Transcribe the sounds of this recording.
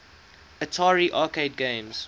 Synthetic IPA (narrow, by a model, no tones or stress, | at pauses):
ətʰaːɹiʔɑːkeɪd̚ɡẽɪ̃mz̥